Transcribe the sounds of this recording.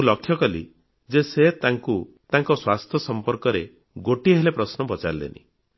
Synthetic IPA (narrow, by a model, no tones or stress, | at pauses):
ulɔkʰːjɔkɔlḭ | d͡ʒeset̪aŋku | t̪aŋkɔswast̪ʰjɔsɔmpɔɾkɔɾe | ɡoʈiɦelepɾɔsnɔbɔt͡ʃa̰ɾlḛnḭ